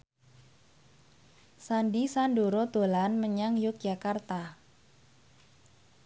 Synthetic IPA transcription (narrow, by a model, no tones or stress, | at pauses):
sandisandoɾod̪̥o̤lanməɲaŋjʊk̚d̥ʒ̥akart̪a